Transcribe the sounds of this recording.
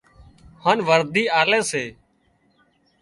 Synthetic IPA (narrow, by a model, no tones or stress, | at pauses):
haːnʋəɾd̪iːaːlẽːseː